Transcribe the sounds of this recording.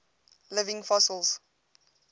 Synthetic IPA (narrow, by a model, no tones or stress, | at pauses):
lɪvɪ̃ŋfɔsəlˠz̥